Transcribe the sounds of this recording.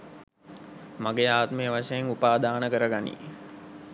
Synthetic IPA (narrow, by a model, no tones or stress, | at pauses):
maɡeaːt̪məjəʋaʂəjeŋupaːd̪aːnəkəɾəɡanḭː